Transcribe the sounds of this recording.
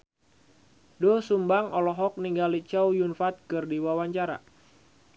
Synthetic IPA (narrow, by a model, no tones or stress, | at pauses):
dosumbaŋɔlɔɦɔk̚niŋɡalit͡ʃawjunfat̪̚kɨrdiwawaɲt͡ʃaɾa̰